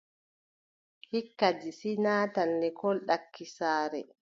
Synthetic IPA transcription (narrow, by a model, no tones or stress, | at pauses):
hikːadisinaːtanːɛkɔlɗakːisaːɾɛ̰